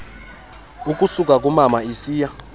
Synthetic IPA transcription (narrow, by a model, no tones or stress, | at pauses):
ukʼusukʼak̬ʼumamaisiːja